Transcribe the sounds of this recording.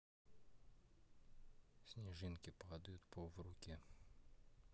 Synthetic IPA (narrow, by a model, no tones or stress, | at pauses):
sʲnʲɪʐɨnkʲɪpad̪əjʊt̪pʰovrʊkʲe